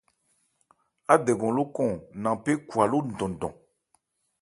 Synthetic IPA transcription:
a˦dɛ˨ɡɔ̃˨lo˦kɔ̃˦˨nã˨pe˦kwa˨lo˦n̩˨dɔ̃˨n˨dɔ̰̃˨

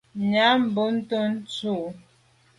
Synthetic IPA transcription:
ɲa˨˦m̩˨bə˦n̩˦tə˦n̩˦t͡su˦˨ʔ

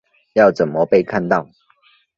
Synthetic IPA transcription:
jɑ˥˨ʊt͡sə˨˩nmə˦pe˥˧ɪkʰa˥˨nt̪ɑ˥˨ʊ

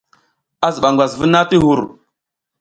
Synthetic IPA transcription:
a˦zə˨ɓa˨ŋɡʷa˨zvə˦na˦ti˦ɦu˨ɾ

